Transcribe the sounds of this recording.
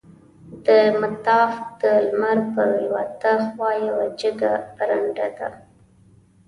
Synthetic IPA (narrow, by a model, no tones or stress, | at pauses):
d̪əmat̪ɑfd̪̥əlmaɾpəwat̪axwɑjawad͡ʒəɡaɾaɳɖad̪a̰